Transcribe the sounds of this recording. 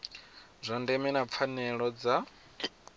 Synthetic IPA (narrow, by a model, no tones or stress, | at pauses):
zʷandɛmɛnap̪fʰanɛɺɔd͡za